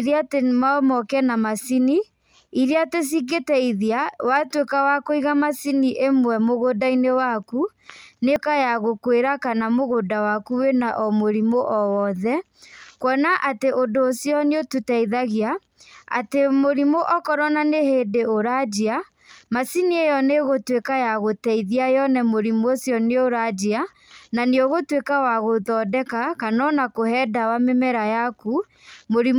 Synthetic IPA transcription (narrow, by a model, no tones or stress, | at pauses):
ɾiatemamɔkɛnamasini | iɾiates̬iɡetɛiðiawatwekawakoiɣamasiniʔemwɛmoɣodainewaku | nekajaɣokweɾakanamoɣodawakuwenaʔɔmoɾimoʔɔwɔðɛ | kwɔnaʔateʔondoːsjɔneotutɛiðaɣia | a̰temoɾimoʔɔkɔɾɔnaneheːdeoɾad͡ʑia | masiniejɔneɣotwekajaɣotɛiðiajɔnɛmoɾimosjɔneoɾad͡ʒia | naneoɣotwekawaɣoðɔːdɛkakanɔnakohɛdawamemɛɾajaku | moɾi